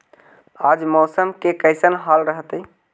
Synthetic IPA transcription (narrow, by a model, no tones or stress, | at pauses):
ad͡ʒmɔsəmkekəɪsənɦalɾəɦət̪əj